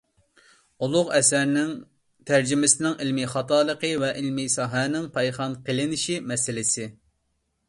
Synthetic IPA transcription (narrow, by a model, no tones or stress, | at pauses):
ulˠʊʁɛsæɾnɪŋ | t̪ʰæɾd͡ʒimɪsɪnɪŋilmiχɑt̪ɑːlˠəqəvɛʔɪlmisɑɦɛnɪŋpʰɑjχɑnqʰəlɪnɪʃimɛsɪlɪsɪ